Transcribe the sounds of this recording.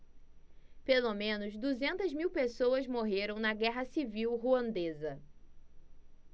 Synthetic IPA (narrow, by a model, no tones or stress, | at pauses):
pelomẽnʊzd̪uzẽnt̪ɐzmiwpesowɐzmoɦeɾɐ̃w̃nɐɡɛɦɐsiviwɦuɐ̃nd̪ezɐ